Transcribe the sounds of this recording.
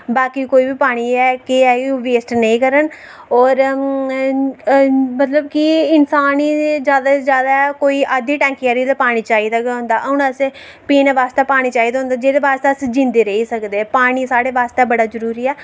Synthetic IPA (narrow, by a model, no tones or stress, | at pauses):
baːkikoːiːbiːpaːɽ̃iːɛːkɪɛːʋeːsʈnəĩːkəɾən | ɔːɾ | mət̪ləbkɪɪnsaːniːzjaːd̪aːzjaːd̪aːɛkoːiːʔaːd̪iːʈɛ̃ːŋkɛːɾid̪aːpaːɽ̃iːt͡ʃaːiːd̪aːkɦõːnd̪aːʔəʊnəsẽ | piːnʋaːst̪aːpaːɽ̃iːt͡ʃaːiːd̪aːɦʊ̃nd̪aːd͡ʒeːd̪eːʋaːst̪eəsd͡ʒɪ̃nd̪eːɾəɦiːsəkd̪eːpaːɽ̃iːsaːɽeːʋaːst̪eːbəɽaːzəɾuːɾiːɛː